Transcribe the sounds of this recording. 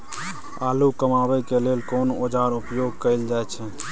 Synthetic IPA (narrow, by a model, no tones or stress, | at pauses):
alukəmabəkelelkonod͡ʒaɾupjoɡ̚kəɪld͡ʒajt͡ʃʰɛ